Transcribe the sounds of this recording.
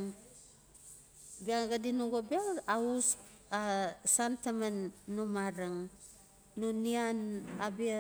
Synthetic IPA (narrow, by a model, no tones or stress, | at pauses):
ŋ | biaɡadinuɡobiaausasantamanːomaɾaŋː | onianabia